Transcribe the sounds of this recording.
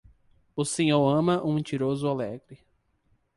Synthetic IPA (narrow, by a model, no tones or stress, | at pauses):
ʊsẽɲoɾɐ̃mɐʔũẽt͡ʃiɾozʊalɛɡɾɪ